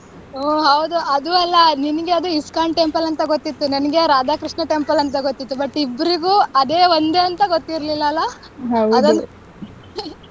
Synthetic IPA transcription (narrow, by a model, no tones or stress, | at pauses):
oːɦɐwud̪uɐd̪uɐlːɐninɐɡe̞ɐd̪uiskaːɳʈempɐlɐnt̪ɐɡot̪ːit̪ːuninɐɡeɾaːd̪aːkɾiʂɳɐʈempɐlɐnt̪ɐɡot̪ːit̪ːubɐʈːibːɐɾiɡuːɐd̪eːʋond̪e̞ːɐnt̪ɐɡot̪ːiɾɐlilːɐːlːɐ | ɦɐwɐd̪ɐn